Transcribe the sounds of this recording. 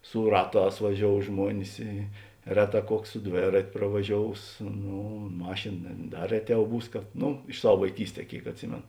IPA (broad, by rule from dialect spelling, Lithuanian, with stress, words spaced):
sʊ ˈrɑːˌtɑːs ʋɐˈʒʲoːʊ ˈʒmuɔnʲɪs ˈiː ˈrʲæːˌtɑː ˈkuɔks sʊ ˈdʲʋʲeːrɐtʲ prɐʋɐˈʒʲoːʊs ˈnuː ˈmɑːʃʲeːn nʲɛ ˈdɐ ˈrʲæːˌtʲɛʊ ˈbuːs ˈnuː ɪʃ ˈsɐw ʋɐɪˈkʲiːsʲˌtʲɛː ˈkʲeːɪk ɐtʲˈsʲɪmʲeːn